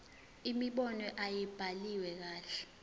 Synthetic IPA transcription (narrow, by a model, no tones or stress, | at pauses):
imiɓɔnɔʔajib̥ʱaliwɛk̬aːɬɛ̥